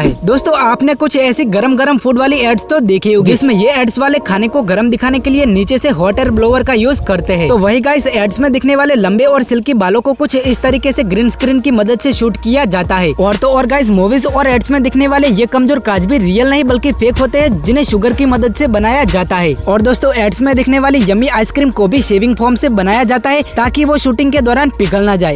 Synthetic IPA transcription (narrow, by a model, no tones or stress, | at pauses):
ɦɛːd̪oːst̪õaːpnekʊt͡ʃʰɛːsiɡɐɾəmɡɐɾəmfʰuːɖʋaːliɛːɖst̪od̪eːkʰioːɡiɪsmẽjeɛːɖsʋaːlekʰaːnekoɡɐɾəmd̪ɪkʰaːnekelieniːt͡ʃeseɦɔːʈəɾbloːʋəɾkajuːzkɐɾt̪eɦɛ̃ːt̪oʋɐɦiɡaːɪzɛːɖsmẽd̪ɪkʰneʋaːlelɐ̃mbeɔːɾsɪlkibaːlõkokʊt͡ʃʰɪst̪ɐɾiːkeseɡɾiːnskɾiːnkimɐd̪əd̪seʃuːʈkijad͡ʒaːt̪aɦɛːɔːɾt̪oɔːɾɡaːɪs̬moːʋizɔːɾɛːɖsmẽd̪ɪkʰneʋaːlejekɐmzoːɾkaːd͡ʒbʱiɾiːjəlnɐɦĩbɐlkifeːkɦoːt̪eɦɛ̃d͡ʒɪnɦẽʃʊɡəɾkimɐd̪əd̪sebɐnaːjad͡ʒaːt̪aɦɛːɔːɾd̪oːst̪õɛːɖsmẽd̪ɪkʰneʋaːlijɐmiaːɪskɾiːmkobʱiʃeːʋɪ̃ŋɡfʰɔːɾmsebɐnaːjad͡ʒaːt̪aɦɛt̪aːkiʋoʃuːʈɪ̃ŋɡked̪ɔːɾaːnpɪkəlnad͡ʒaːeː